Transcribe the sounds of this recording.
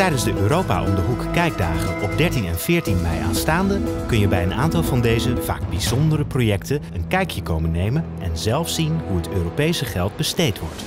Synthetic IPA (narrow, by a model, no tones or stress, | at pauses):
tɛjdənzdəʔøːɾowpa̰ːʔɔ̰mdəɦukkɛjɡ̚daːχənɔpdɛɹtinɛnv̥ɪːɹtinmɛjʔa̰ːnstaːndəkɵnjəbɛjəna̰ːntɑlˠvɑndejzəv̥a̰ːɡ̚bizɔndəɾəprojɛktənənkɛjkjəkowmənːejmən | ɛnzɛlˠfsinɦuɦətøːrowpejsəχɛlˠd̚bəstejtʋɔɹt